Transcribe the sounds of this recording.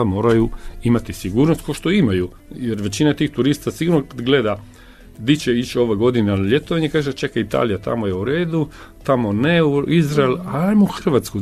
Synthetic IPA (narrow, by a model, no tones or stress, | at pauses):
amo̞ːɾajuimat̪isiɡuːɾnost̪koʃt̪oimaju | jeɾʋe̞t͡ɕinat̪iːxt̪uɾist̪asiɡuɾnokad̪ɡled̪a | d̪it͡ɕeit͡ʃo̞ʋeɡo̞d̪inelet̪oʋaɲekaːʒet͡ʃe̞kait̪a̰ːlijat̪a̰mojeuɾe̞ːd̪u | t̪amoneuizɾaelaajmouxr̩ʋat̪sku